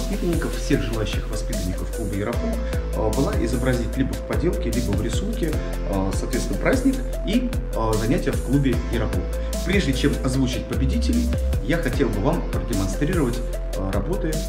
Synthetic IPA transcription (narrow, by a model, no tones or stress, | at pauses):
ɐspʲit̪ənʲːɪkəffsʲe̞ɣʐɨlˠaʉɕːɪxvɐspʲit̪ənʲːɪkəfːklˠubəjɪɾɐko | bɨlˠaʔɪ̰zəbɾɐzʲitʲlʲibəfpɐdʲe̞lˠkʲɪlʲibəvɾʲɪsunkʲɪ | sɐːt̪vʲet̪nəpɾʔazʲnʲɪk | i | zɐnʲætʲɪjəfklˠubʲɪjɪɾɐkof | pɾʲe̞ʐdʲɪt͡ɕe̞mɐzvut͡ɕɪt̚ʲpəbʲɪdʲitʲɪlʲɪjaxɐtʲe̞lˠbɨvampɾədʲɪmɐnst̪ɾʲiɾəvətʲ | ɾɐbo̞t̪ɨ